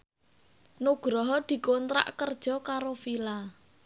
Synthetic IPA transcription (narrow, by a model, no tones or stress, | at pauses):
nuɡ̥ɾɔɦɔd̪̥i̤kont̪ɾa̰ʔkərd̥ʒ̥ɔ̤kaɾofila